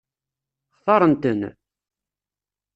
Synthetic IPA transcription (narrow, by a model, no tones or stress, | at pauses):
χθˤɑɾˤənt̪ən